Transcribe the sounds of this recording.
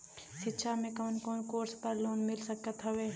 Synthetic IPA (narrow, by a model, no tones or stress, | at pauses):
ʃɪtːʃʰamẽkoːnkoːnkoːɾspəɾloːnmɪlsəkət̪ɦəʋeː